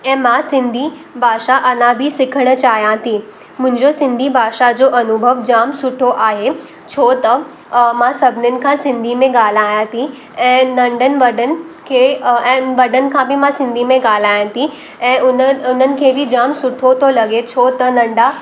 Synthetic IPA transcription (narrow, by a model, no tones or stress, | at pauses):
ɛ̃ːmãsɪ̃nd̪ʱi | bʱaːʃaʔɐnãbʱisɪkʰəɽ̃ə̆t͡ɕaːɦijãt̪ʰi | mʊ̃ɦɪ̃ɲd͡ʑosɪ̃nd̪ʱibʱaːʃad͡ʑoːʔɐnʊbʱəʋd͡ʑaːmsʊʈʰoʔaːɦe | t͡ɕʰoːt̪ɐ | mãsɐbʱɪnənɪ̆kʰãːsɪ̃nd̪ʱimẽɡaːl̤aːjãt̪ʰi | ɛ̃ːnɐ̃ɳɖənɪ̆ʋɐɖənɪ̆kʰeːɛ̃ːʋɐɖənɪ̆kʰãbɪmãsɪ̃nd̪ʱimẽɡaːl̤aːjãt̪ʰi | ɛ̃ːʊnʊn̤ənɪ̆kʰeːbʱɪd͡ʑaːmsʊʈʰot̪ʰolɐɡet͡ɕʰoːt̪ɐnɐ̃ɳɖa